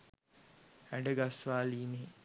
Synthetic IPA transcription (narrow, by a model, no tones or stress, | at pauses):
æɖəɡasʋaːliːne